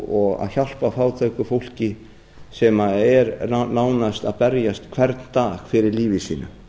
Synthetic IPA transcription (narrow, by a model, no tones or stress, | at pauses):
ɔɣa̰ðçal̥pafaːwt̪ʰakʏfowl̥cɪ | sɛmaɛɾnaːwnast̪aðpɛɾjast̪kʰvɛɾt̪nt̪aːɣfɪɾɪɾliːvɪsḭːnʏ̰